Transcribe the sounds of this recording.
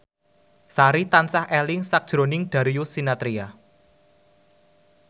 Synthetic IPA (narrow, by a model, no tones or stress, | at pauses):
saɾit̪ansahɛlɪŋsak̚d̥ʒ̥ɾo̤nɪŋd̪̥a̤ɾiusinat̪ɾia